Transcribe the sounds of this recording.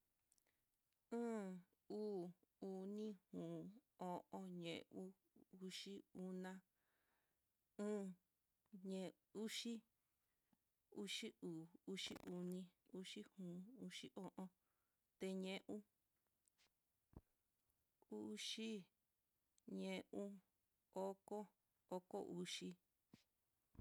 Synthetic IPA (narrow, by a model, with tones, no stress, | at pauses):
ɨ̃ː˦ | uː˦˨u˧nĩ˦hũː˨o˧ʔõ˧ɲḛ̃˨ʔu˦ | u˧ʂi˦u˧nã˧ | ɨ̃ː˦ | ɲẽ˧ | u˦ʃi˦ | u˦ʂi˦uː˨u˦ʃḭ˦ʔu˧nĩ˧u˦ʂi˦hũː˨˦u˦ʂi˦ʔõ˦ʔõ˧ | t̪e˧ɲẽ˦ʔũ˦ | u˦ʃi˦ | ɲẽ˧ʔũ˦ | o˦ko˦ | o˦ko˦ʔu˧˦ʂi˧